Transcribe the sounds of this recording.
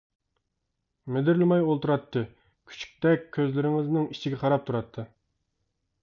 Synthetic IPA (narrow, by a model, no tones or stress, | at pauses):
mɪd̪ɪɾlɪmɑjolˠt̪uɾɑt̪ʰːɨ | kʲʰy̥t͡ʃʰy̥k̚ʲt̪ɛkʲʰːøzlɪɾɪŋɪznɪŋit͡ʃʰiɡʲɛqʰɑɾɑp̚t̪ʰuɾɑt̪ʰːɨ